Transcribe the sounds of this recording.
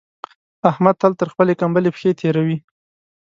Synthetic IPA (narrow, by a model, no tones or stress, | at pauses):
ahmad̪̚t̪alt̪əɾxpəlekambəlepxet̪ʰeɾawi